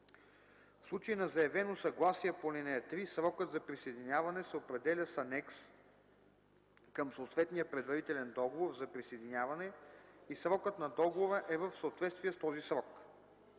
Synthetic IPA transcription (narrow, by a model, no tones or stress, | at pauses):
fslˠut͡ʃəinɐzɐjɛvɛnosɐɡlˠasiɛponɛnɛɛt̪ɾisɾɔkəd̪zɐpɾisɐjd̪inʲavɐnɛsɛopɾɛd̪ɛlʲəsɐnɛks | kəmsoːt̪vɛt̪nijəpɾɛd̪vɐɾit̪ɛlɛnd̪ɔɡovoɾzɐpɾisejd̪ʲinʲavɐnɛisɾɔkət̪nɐd̪ɔɡovoɾəʔɛvəfsəot̪vɛt̪st̪vijɛst̪ɔzisɾɔk